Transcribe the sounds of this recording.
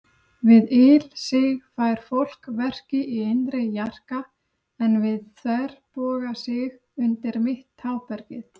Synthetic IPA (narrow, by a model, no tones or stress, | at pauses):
vɪðɪlsɪɣfaːjɾ̥fowl̥kvɛr̥cɪʔiejnt̪ɾɪjar̥ka | ɛnvɪðθvɛɾ̥pɔːɣasɪɣ | ʏnt̪ɪɾmɪht̪haːwpɛɾcɪθ